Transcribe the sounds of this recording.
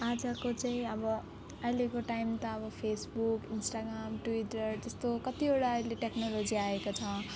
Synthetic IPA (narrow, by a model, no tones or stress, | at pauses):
ad͡zʌkot͡sajĩʌbʌ | ʌjlekoʈaimt̪ʌʌbʌpʰesbukinsʈaɡramʈuiʈʌrt̪ʌst̪okʌt̪ioɽaʌjleʈeknolod͡ziaekot͡sʰʌ